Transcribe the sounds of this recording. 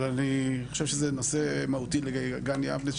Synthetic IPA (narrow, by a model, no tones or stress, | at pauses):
anioʃevʃezenosemaut̪ileɡaɡanja̰vne